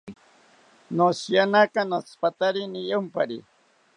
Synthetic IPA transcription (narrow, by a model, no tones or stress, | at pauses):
nosjanakanot͡spat̪aɾinijampaɾḭ